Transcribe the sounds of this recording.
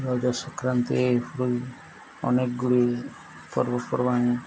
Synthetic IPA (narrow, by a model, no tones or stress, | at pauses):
ɾɔd͡ʒasɔkɾant̪epʰuɾuj | ɔ̰nekɡuɽe | pɔ̰ɾbɔpɔɾbaŋ